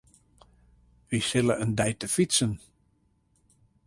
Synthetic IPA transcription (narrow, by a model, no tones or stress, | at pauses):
ʋisɪləəndɛjtəfisən